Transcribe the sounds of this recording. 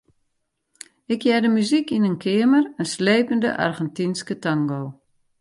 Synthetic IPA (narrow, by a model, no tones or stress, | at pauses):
ɪkʰjɛdəmyzikinənkʰɪəmərənsleːpəndə̰ʔa̰rɣɛntinskətaŋɡoː